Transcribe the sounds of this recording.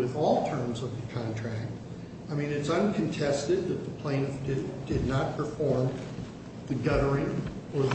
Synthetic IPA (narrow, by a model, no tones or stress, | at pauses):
wɪðɔlˠtʰɜ̃˞mzʌvðɨkʰɑ̃ntʰɹ̥æk̚t̚ | aɪmĩnɨtsʌ̃nkʰɨ̃n̩tʰɛstɨd̪̚ðɨt̪̚ðəpʰl̥ẽɪ̃nʌfdɨd̥ɨdⁿnət̚pʰə˞fɔɹm | ðɨɡʌɾə˞ɪ̃ŋ | ə˞ð